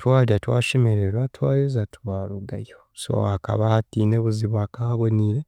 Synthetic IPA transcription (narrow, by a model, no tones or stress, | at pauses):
twaːliatwaːʃemeɾeɾwatwaːjezatuβaːɾuɡajoso̰aka̰βahatiːneβuziβwaːkaβoniːɾe